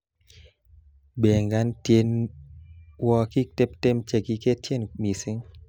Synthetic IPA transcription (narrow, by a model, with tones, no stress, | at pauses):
be˨ŋɡa˦ntje˦n | wɔ˦ki˦k̚te˦pte˦mt͡ʃe˨ki˦ke˦tje˦nmi˨sɪ˦ŋ